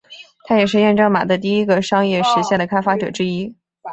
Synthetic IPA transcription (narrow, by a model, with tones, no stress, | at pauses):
t̪ʰa˥jɛ˨˩ʂ̬ɻ̩˥˧jɛ˥˧nʈ͡ʂɑ˥˩ŋma̰˨˩d̪ə˦t̪̬i˥˩i˥ɡə˨ʂɑ˥ŋjɛ˥˩ʂɻ̩˧˥ɕjɛ˥˩nd̪ə˩kʰa˥ɪfa˥ʈ͡ʂɤ˨˩ʈ͡ʂɻ̩˥i˥